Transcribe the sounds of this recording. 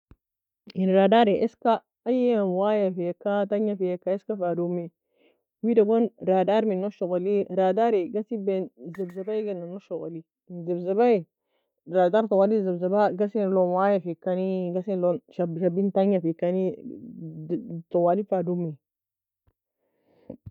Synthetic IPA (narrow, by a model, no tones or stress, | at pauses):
inɾadaɾeʔeska | ajewajafiekːataɲːafiekːaeskafadumi | widaɡonɾadaɾminoʃokoliɾadaɾeɡasibenzebzabaiɡananoʃokali | nzebzabai | ɾadaɾtowalizebzabaɡasinlonwajafikːaniɡasinlonʃabʃabintaɲafikːani | towalifadumi